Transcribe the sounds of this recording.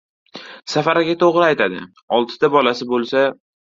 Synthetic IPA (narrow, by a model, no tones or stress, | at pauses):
safaɾaɡʲat̪ʰoʁɾɪajt̪ʰad̪ɪ̰ | ɒlˠt̪ʰɪ̥d̪abɒlasɪbolˠsa